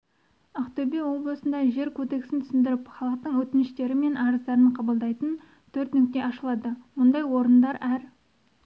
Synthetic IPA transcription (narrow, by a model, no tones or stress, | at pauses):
ɑqt̪ɵbewo̞blˠəsənd̪ɑʒe̞ɾkʲʰɵd̪e̞ksɪnt̪ʰsɪnd̪ɪɾɪpχɑlˠəq̚t̪əɴwɵt̪ɪnɪʃt̪e̞ɾɪme̞nɑɾəzd̪ɑɾəɴqʰɑbəlˠd̪ɑjt̪ən | t̪ʰɵɾt̪nʏk̚t̪e̞ɑʃəlˠɑd̪əwond̪ɑjwo̞ɾənd̪ɑɾæɾ